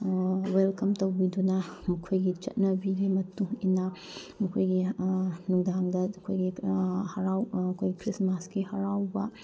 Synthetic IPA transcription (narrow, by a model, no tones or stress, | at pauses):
welkɐmtɐwbidunɐmɐkʰojɡit͡ʃɐ̰t̚nɐbiɾemɐtuŋinɐ | mɐkʰojɡinuŋdaŋdɐɐkʰojɡihɐɾawɐkʰojɡikɾismasɡihɐɾawbɐ